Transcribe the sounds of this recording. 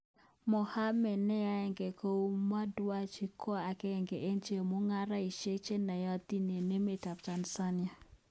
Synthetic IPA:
mɔ˨ha˦mɛ˨nɛ˦ja˦ɛ˨ŋɡe˨ko˦ma˦dwa˦t͡ʃi˦kʰɔ˦a˨kɛ˦˨ŋɡe˨ʔe˦nt͡ʃe˦˨mo˦ŋa˦ɾa˦i˨ʃe˦t͡ʃe˦na˨jɔ˦t̪i˦ne˨ne˦me˨ta˨pt͡ʃa˨nsa˦nja˨

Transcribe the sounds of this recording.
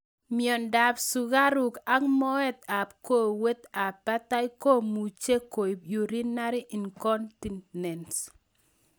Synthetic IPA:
mjɔ˨nda˨psu˨ɣa˦ɾu˨ka˦ŋmɔ˦ɛ˦t̪̚a˨pko˦we˦t̪a˨pːa˦t̪a˦i˦ko˦mu˨t͡ʃe˦ko˨i˨bju˨ɾi˦na˦ɾi˦ʔi˨nkɔ˦nti˨nnɛ˨nt

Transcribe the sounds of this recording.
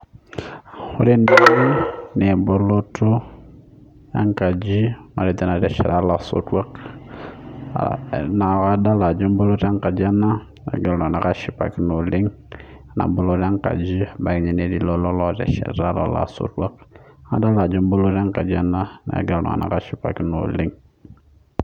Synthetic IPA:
ho˦ɾe˦ndi˦n˦nɛ˨bo˦lo˦to˦ | ja̰˦ŋka˨d͡ʒi˦ma̰˨ɾe˨t̪ɛ˦na˨tɛ˨ʃɛ˨ɾa˦la˨so̰˦twa˦k | na˨ka˦da˦la˨d͡ʒo˦m˦bo˦lo˦ta˦ŋka˨d͡ʒa˦na˦ | nḛ˨ɡa˨lnɔ˨na˨ka˦ʃi˦pa̰˨ki˦no˨li˦ŋ | na̰˨bo˦lo˦ta˦ŋka̰˨d͡ʒi˦ba˨kɲi˨ne˦di˦lo˦lɔ˦lɔ˦˨tɛ̰˨ʃɛ̰˨ɾa˦lɔ̰˨la̰˨so̰˦twa˦k̚a̰˦da˦la˨d͡ʒo˦mbo˦lo˦ta˦ŋka˨d͡ʒi˦a˦na˦nḛ˨ɡa˨lnɔ̰˨a̰˨na̰˨ka˦ʃi˦pa̰˨ki˦no̰˨li˦ŋ

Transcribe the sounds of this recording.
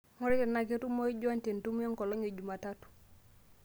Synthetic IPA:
ŋo˦ɾi˦te˨na˨ke˦tu˦mo˦i˦ɟɔ˦nte˨ntu˦m˦e˦ŋkɔ˨lɔ˦ŋe˨ɟu˨ma˨ta˦tu̥˨

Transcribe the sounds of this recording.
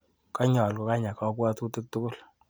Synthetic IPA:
kɔ˦ɲɔ˨lko˨ka˦ɲa˨kɔ˦kwɔ˦tu˦tu˦k̚tu˦kʊ˦˨l

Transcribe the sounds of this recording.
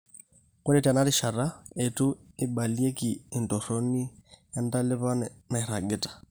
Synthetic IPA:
kʊ˦nɛ˦ta˨na˦ɾɪ˦ʃa˨ɾa˦e˨tʼʊ˦ɪ˦ba˨li˦e˦kɪː˨ntɔ˨ro˦ni˦ja˦n˦da˦lɪ˦βa˦nɛna˨i˨ɾa˨ɡɪ˦tʼḁ˨

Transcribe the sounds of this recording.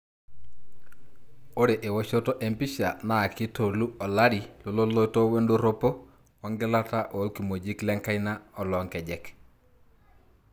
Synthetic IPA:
o˦ɾe˨ʔe˨wo˦ʃo˦to˦ʔe˨mpi˦ʃa˨na˨ki˦to˨lu˦ɔ˨la˦ɾi˨lo˨lo˦lo˦jto˦we˦ndo˦ɾo˦po˦ | wɔ˦ŋɡɛ˦la˦ta˦ʔo˨˦lki˨mo˨d͡ʒi˦klɛ˦ŋka˦jna˦ɔ˨lɔ˨ŋkɛ˨d͡ʒɛ˦k

